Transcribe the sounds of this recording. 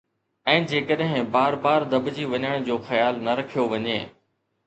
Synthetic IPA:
ɛ̃ːd͡ʑeːkəɗɦɪ̃baːɾbaːɾd̪ɐbd͡ʑiʋɐɲəɽ̃d͡ʑoːxɐjaːlnɐɾɐkʰijoʋɐɲeː

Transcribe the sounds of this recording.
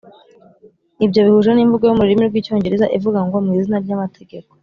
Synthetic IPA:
ibɟo̞βihuʒaniɱvuɡojumuɾiɾimiɾɡwiːco̞ːɲɟe̞ɾeza̰ʔivuɡaŋɡo̞mŋiːzinaɾɟamatʰe̞ɡe̞ko̥

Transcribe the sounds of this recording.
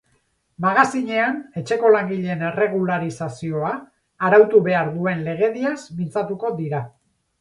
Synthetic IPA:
maɣ̞asiɲe̞ane̞t͡ʃe̞ko̞laŋɡiʎe̞ne̞re̞ɣ̞ulaɾisasio̞aː | ɾawt̪uβe̞aɾðue̞nle̞ɣ̞e̞ðiasmint͡sat̪uko̞d̪iɾa

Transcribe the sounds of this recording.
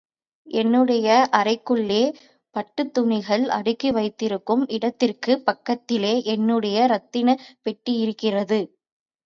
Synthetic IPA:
ʔɛnːɯɽɐjɐʔɐrɐɪkːɯɭːeː | pɐʈːɯt̪ːʊɳɪɣɐɭɐ̰ɽɯkːiʋɐɪt̪ːɪɾɯkːɯmɪɽɐt̪ːɪrkɯpɐkːɐt̪ːɪleːʔɛnːɯɽɐjɐɾɐt̪ːɪnɐpɛʈːijɪɾɯkːɪrɐðɯ

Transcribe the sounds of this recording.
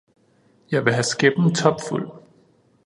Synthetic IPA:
jɑ̈ɪʋe̝ɦæsɡ̥eb̥n̩t͡sʰɒ̽b̥ful̰

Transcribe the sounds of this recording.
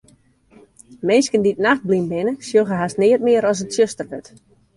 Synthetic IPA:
mɪnskənditnaxt̚blimbɪnəsjoɣəɦasnɪət̚mɪəɾɔs̬ətsjøstərʋøt

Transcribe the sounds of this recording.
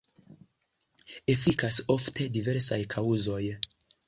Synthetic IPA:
e̞fikaso̞ftʰe̞dive̞ɾsajkʰauzo̞j

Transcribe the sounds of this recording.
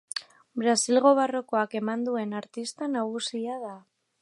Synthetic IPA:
bɾasilɣo̞βaro̞ko̞ake̞mand̪ue̞naɾt̪ist̪anaɣ̞usiaða

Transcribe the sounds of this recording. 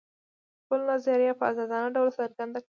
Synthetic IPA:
pəlnazaɾjapəazɑd̪ɑnaɖawlsaɾɡand̪ak

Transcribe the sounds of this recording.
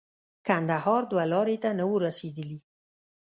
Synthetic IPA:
kand̪ahɑɾd̪walɑɾet̪anəwəɾased̪əli

